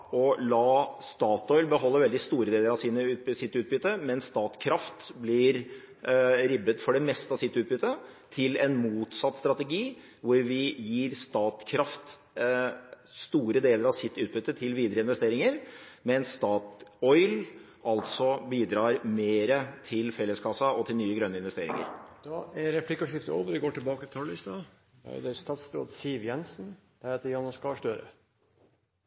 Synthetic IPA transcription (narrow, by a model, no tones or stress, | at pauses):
ɔlɑːst̪ɑːt̪ɔʏlbəɦɔlːəɾʋɛld̪ɪst̪uːɾəd̪eːləɾɑʋsiːnəʉːt̪̚bsɪt̪ːʉːt̪̚bʏt̪ːəmɛnsst̪ɑːt̪kʰɾɑft̪blɪɾ | ɾɪbət̪fɔɖɛmɛst̪əɑsɪt̪ːʉːt̪̚bʏt̪ːət̪ʰɪlɛnmuːt̪sɑt̪ːst̪ɾɑt̪ɛɡiː | ʋʊɾʋɪjiːɾst̪ɑːt̪kʰɾɑft̪ | st̪uːɾəd̪eːləɾɑʋsɪt̪ːʉːt̪̚bʏt̪ːət̪ʰɪlʋiːd̪əɾəɪnʋɛst̪eːɾɪŋəɾmɛɛnst̪ɑːt̪ɔʏl | ɑlt̪sɔbiːd̪ɾɑːɾmeːɾət̪ʰɪlfɛlːəskʰɑsɑɔt̪ʰɪlnyːəɡɾœnːəɪnʋɛst̪eːɾɪ̰ŋə̰ɾd̪̥ɑæɾɛpʰlɪkəʂɪft̪o̰ːʋəɾʋɪɡoːʈʰɪlbɑːkəɪt̪ʰɑlɪst̪ɑ | ɑ̰d̪ɛæst̪ɑːt̪sb̪ɾo̰ːd̪siːʋjɛnsn̩d̪̥ɛɾhet̪əjɑnɔskɑʂʈ̪øːɾə̰